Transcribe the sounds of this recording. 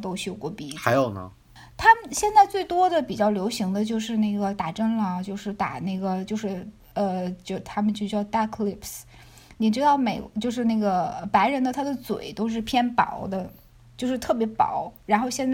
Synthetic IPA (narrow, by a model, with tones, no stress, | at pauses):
t̪o˥ʊɕjo˥˩ʊkwɔ˥˩pi˥˩xa˧˥ɪjo˨˩ʊnə̰˦ | t̪ʰa˥mə˨nɕjɛ˥˧nt͡sa˥˧ɪt͡swe˥˩ɪt̪wɔ˥d̪ə˨pi˨˩t͡ɕjɑ˥˩ʊljo˧˥ʊɕi˧˥ŋd̪ə˧t͡ɕjo˥˧ʊʂɻ̩˥˧na˥˩ɪɡə˩t̪a˨˩ʈ͡ʂə˥ŋlə˨t͡ɕjo˥˧ʊʂɻ̩˥˩t̪a̰˨˩na˥˩ɡə˩t͡ɕjo˥˧ʊʂɻ̩˥˩ | ə˧t͡ɕo˥˩t̪ʰa˥mə˨nt͡ɕjo˥˧t͡ɕjɑ˥˧˩ʊt̪a˥˩kʰli˥˩ps | ni˨˩ʈ͡ʂɻ̩˥d̪ɑ˥˩ʊme˨˩ɪt͡ɕjo˥˧ʊʂ̬ɻ̩˥˧na˥˩ɡə˩ə˧pa˧˥ɪɻə˧˥nd̪ə˧t̪ʰa˥d̪ə˨t͡swḛ˨˩˦ɪt̪o˥ʊʂ̬ɻ̩˥˩pʰjɛ˥npɑ̰˧˩˥ʊd̪ə˧ | t͡ɕjo˥˧ʊʂɻ̩˥˧t̪ʰɤ˥˩pjɛ˧˥pɑ̰˨˩˦ʊɻa˧˥nxo˥˧ʊɕjɛ˥˧nt͡sa˥˩